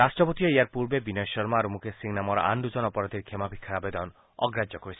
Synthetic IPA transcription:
ɾasʈɾɔpot̪ijɔiaɾpuɾbebinɔjɔʃɔɾmaɾumukʰesiŋnamɔɾ̰a̰ɳɖud͡ʒɔnɔpɔɾad̪ʱiɾkʰemabʱikʰːaabed̪ɔn | ɔ̰ɡɾad͡ʒɔkoɾisi̥

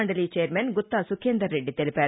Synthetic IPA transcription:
ɐɳɖɐliːt͡ʃeːɐɾmenɡut̪ːaːsukʰːeːnd̪ɐɾːeɖːit̪elipaː

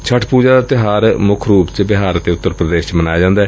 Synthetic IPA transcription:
t͡ʃʰəʈʰpuːd͡ʒaːd̪aːt̪ɪɦaːɾmʊkʰɾuːpt͡ʃbɪɦaːɾt̪eːʊt̪ːəɾpɾəd̪eːʃmənaːjad͡ʒãːnd̪aː

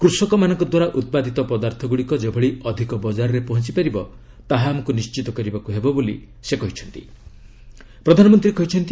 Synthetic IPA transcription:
kɾusɔkɔmanɔŋkɔd̪waɾaʔut̪̚pad̪ʱit̪ɔpɔd̪aɾt̪ʰɔɡuɽikɔd͡ʒebʱɔɭiɔd̪ʱikɔbɔd͡ʒaɾɔɾepɔɦɔt͡ʃi̥paɾibɔ | t̪aɦaːmɔkunist͡ʃit̪ɔkɔɾibakuɦebɔbolḭ | sekɔɦit͡ʃʰɔnt̪i̥̰ | pɾɔd̪ʱanɔmɔnt̪ɾikɔɦit͡ʃʰɔnt̪i

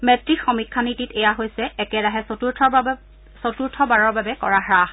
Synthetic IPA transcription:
mɛtɹixɔmikʰːanititejaɦojsɛɛkɛdaɦɛuɹʰ | sotuɹtʰɔbaɹɔɹbabɛkɔ̰ɹaɦɹah

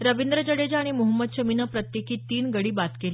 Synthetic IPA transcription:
ɾəʋind̪ɾəd͡ʑəɽed͡ʑaɽ̃imuɦəmːəd̪̚t͡ɕəminəpɾət̪jekiːt̪ːiːnɡəɽiːbat̪keli

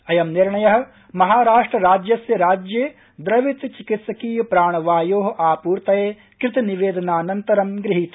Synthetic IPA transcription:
ɐjɐmniɾɳɐjɐɦɐ̆ | mɐɦaːɾaːʂʈɾɐɾaːd͡ʒjɐsjɐɾaːd͡ʒjeː | d̪ɾɐʋit̪t͡ʃikit̪sɐkiːpɾaːɳ̃ɐʋaːjoːɦɐʔaːpuːɾt̪ɐjeː | kɾɪt̪ɐniʋeːd̪ɐnaːnɐnt̪ɐɾɐmɡɾɪɦit̪

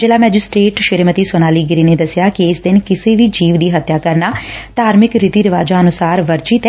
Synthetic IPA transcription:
d͡ʒɪlaːmɛːd͡ʒɪsʈɾeːʈʃɪɾmət̪iːsonaːliːɡɾiːneːd̪əsjaːkɪɪsd̪ɪnkɪseːʋiːd͡ʒiːʋd̪iːɦət̪jaːkəɾnaːt̪aːɾmɪkɾɪt̪iːɾɪʋaːd͡ʒaːənʊsaːɾʋəɾt͡ʃit̪

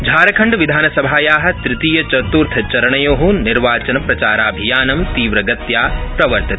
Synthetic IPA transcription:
d͡ʒʱaːɾɐkʰɐɳɖʋid̪ʱaːnɐsɐbʱaːjaːɦɐ̆t̪ɾɪt̪iːjɐt͡ʃɐt̪uːɾt̪ʰɐt͡ʃɐɾɐɳɐjoːɦuːnniɾʋaːt͡ʃɐnɐpɾɐt͡ʃaːɾaːbʱijaːnɐmt̪iːʋɾɐɡɐt̪jaːpɾɐʋɐɾt̪ɐt̪ʰ

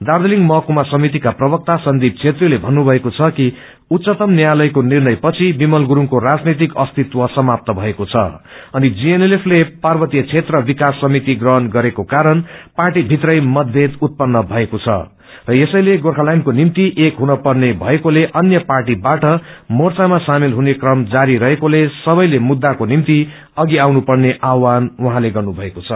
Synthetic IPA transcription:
d̪ard̪eliŋɡmʌkumasʌmit̪ikaprʌbʌk̚t̪asʌnd̪ʱib̚t͡sʰet̪rilebʱʌnːubʱʌekot͡sʰʌki | ut̪sʌt̪ʌmnjalʌjkonirnʌjpʌt͡sʰibimʌlɡuɾuŋkoɾad͡znet̪ikʌst̪it̪wʌsʌmap̚t̪ʌbʱʌekot͡sʰʌ̰ʌnid͡zienelepʰleparbʌt̪ijʌt͡sʰet̪rʌbikasːʌmit̪iɡrʌɦʌnɡʌɾekokaɾʌnparʈibʱit̪rʌjmʌd̪bʱed̪ut̪̚pʌnːʌbʱʌekot͡sʰʌ̰ | rʌesʌjleɡorkʰalajnkonimt̪iʔekɦunʌpʌrnebʱʌekoleʔʌnjʌparʈibaʈʌmort͡samasamilɦunekrʌmd͡zaɾiɾʌɦekolesʌbʌjlemud̪ːakonimt̪i | ʌɡiawnupʌrneʔawanwuɦãleɡʌrnubʱʌekot͡sʰʌ

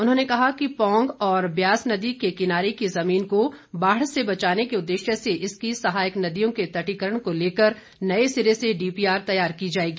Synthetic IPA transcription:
ʊnɦõːnekɐɦakipɔ̃ːŋɡɔːɾbjaːsnɐd̪ikekɪnaːɾekizɐmiːnko | baːɽ̤sebɐt͡ʃaːnekeʊd̪ːeːʃjəseʔɪskisɐɦaːjɪknɐd̪ijõket̪ɐʈikəɾəɽ̃koleːkəɾ | nɐesɪɾeseɖiːpiːaːɾt̪ɐjaːɾkid͡ʒaːeːɡiː

